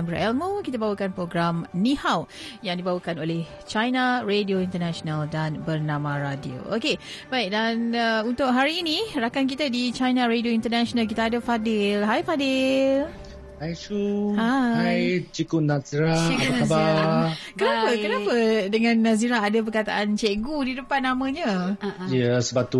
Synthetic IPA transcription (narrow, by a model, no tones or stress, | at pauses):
mbɾa̰ʔɛlmokit̪abawakanpɾoɡɾamnĩhawjaŋdibawakanolɛh | t͡ʃajnaredioint̪ənaʃonaldanbərnãmãɾadio̰okebaiʔ̚danəunt̪ʊʔɦaɾiːnirakank̬it̪adit͡ʃajnãɾedioint̪ənaʃonalk̬it̪aadəfadɪlɦajfadɪl | hajt͡ʃuhahajt͡ʃikunasiɾaikabakənapəkənapədəŋãnːas̬iɾaadəpərkat̪a̰ʔant͡ʃeɡudidəpanːamə̃ɲajəsəbat̪u